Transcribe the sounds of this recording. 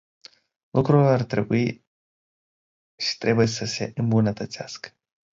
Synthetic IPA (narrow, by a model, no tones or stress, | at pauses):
lukɾulart̪ɾe̞̰bui | ʃi̥t̪ɾe̞bujesəse̞̰ʔɨmbunət̪ət̪sea̰skə̥